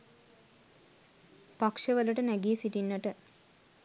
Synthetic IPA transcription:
pakʂəʋələʈənæɡiːsiʈinːəʈə

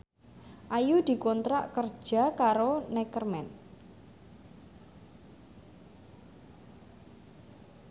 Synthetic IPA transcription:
ʔajud̪̥i̤kɔnt̪ɾa̰ʔkər̥ʒ̥a̤kaɾonɛkərmɛn

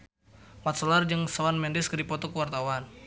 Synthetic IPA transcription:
mat̪̚sɔlard͡ʒəŋsawanmɛndɪskədipɔt̪ɔkəwart̪awan

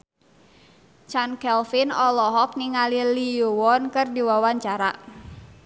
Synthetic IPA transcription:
t͡ʃankɛlfinɔlɔɦɔk̚niŋaliliuwɔnkɨrdiwawaɲt͡ʃaɾa̰

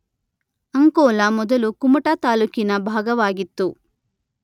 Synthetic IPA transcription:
ɐŋkɔːlamɔd̪ɐlukumɐʈaːt̪aːluːkinɐbʱaːɡɐʋaːɡit̪ːu

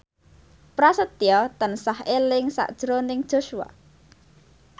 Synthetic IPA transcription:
pɾasət̪iɔt̪ənsahelɪŋsa̰ʔd̥ʒ̥ɾonɪŋd̥ʒ̥o̤ʃua̰

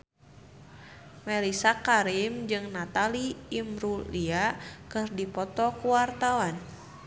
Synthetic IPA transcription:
mɛlisakaɾimd͡ʒɨŋnat̪aliːmɾuliakɨrdipɔt̪ɔkuwart̪awan

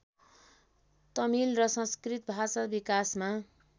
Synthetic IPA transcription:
t̪ʌmilrʌsʌ̃skrit̪̚bʱasʌbikasma

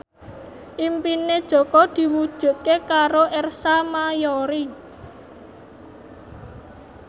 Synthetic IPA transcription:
ʔimpined̥ʒ̥ɔ̤kɔd̪̥i̤wud̥ʒ̥ṳʔkekaɾoʔɛrsamajoɾi

